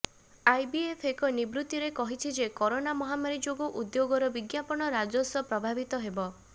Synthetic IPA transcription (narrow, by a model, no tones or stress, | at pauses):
ajbiepʰekɔnibɾut̪iɾekɔɦit͡ʃʰid͡ʒekɔɾonamɔɦamaɾid͡ʒoɡɔʔud̪joɡɔɾɔbiɡjapɔɽ̃ɔɾad͡ʒɔsɔpɾɔbʱabit̪ɔɦebɔ